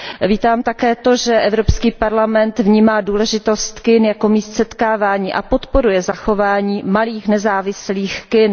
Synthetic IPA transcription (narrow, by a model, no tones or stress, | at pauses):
viːt̪aːmt̪akɛːt̪o̞ʒɛʔɛvɾopskiːpaɾlamɛnt̪vɲiːmaːduːlɛʒɪt̪o̞st̪kɪnjako̞miːst̪sɛt̪kaːvaːɲiːʔa̰po̞t̪po̞ɾujɛzaxo̞vaːɲiːmaliːxnɛzaːvɪsliːxkɪn